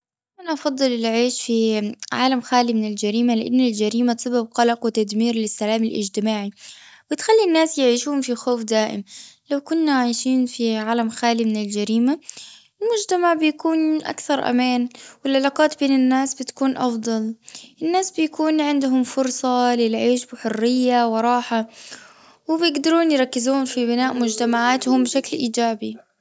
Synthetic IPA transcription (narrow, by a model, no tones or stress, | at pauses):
ʔanaʔɑfɑd̪ˤːɨlɪlʕiːʃfiʕaːlamxaːlimɪnɪld͡ʒaɾiːmalɪʔa̰nːɪld͡ʒaɾiːmasˤɑbab̚qɑlɑqwɪt̪ad̪miːɾlɪsːalaːmɪlʔɪ̰d͡ʒt̪ɪmaːʕiwɪt̪xalːinːaːsjɪʕiːʃuːʊmfixoːfd̪aːʔɪ̰mlawkʊnːaʕaːʃiːnfiʕaːlamxaːlimɪnɪld͡ʒaɾiːma | ɪlmʊd͡ʒt̪amaʕbɪjakuːnʔa̰kθɑɾˤʔa̰maːnwɪlʕalaːqɑːt̪beːnɪnːaːsbɪt̪ḁkuːnʔɑfd̪ˤɑlʔɪnːaːsbɪjakuːnʕɪnd̪ʊɦʊmfʊɾˤsˤɑlɪlʕeːʃbɪħʊrːɪjːawɪɾˤɑːħa | wɪbɪjɪɡd̪ɑɾuːnjɪɾˤɑkːɪzuːnfibɪnaːʔmʊd͡ʒt̪amaʕaːt̪hʊmbɪʃaklʔiːd͡ʒaːbi